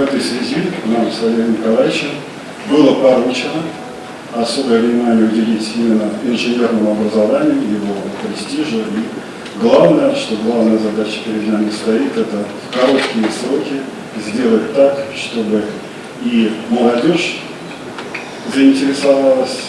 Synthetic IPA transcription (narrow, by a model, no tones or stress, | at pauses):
vɛt̪əjsvʲɪzʲiknamsˠɐvʲenʲɪkɐlˠajt͡ɕɪn | bɨlˠəpɐɾut͡ɕɪnə | ɐso̞bəjəvnʲɪmanʲɪjəʊdʲɪlʲitʲimʲɪnːəɪnʐɨnʲe̞rnəmʊɐbɾəzɐvanʲɪjʊjɪvo̞pɾʲɪsʲtʲiʐʊi | ɡlˠavnəjəʂt̪o̞ɡlˠavnəjəzɐd̪at͡ɕə̥pʲɪɾʲɪd̪namʲɪst̪ɐit̪ɛt̪əfkɐɾo̞t̪kʲɪjəsɾokʲɪ | zʲdʲe̞lˠətʲt̪ːakʂt̪o̞bɨ | iməlˠɐdʲoʂ | zəɪnʲtʲɪɾʲɪsɐvalˠəsʲ